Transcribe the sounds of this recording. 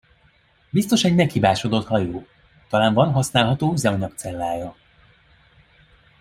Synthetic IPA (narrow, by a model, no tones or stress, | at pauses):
bist̪o̞ʃɛɟmɛkhibaːʃo̞d̪o̞t̪hɒjoː | t̪ɒlaːɱvɒnɦɒsnaːlɦɒt̪oːzɛɔɲɒkt̪sɛlːaːjɒ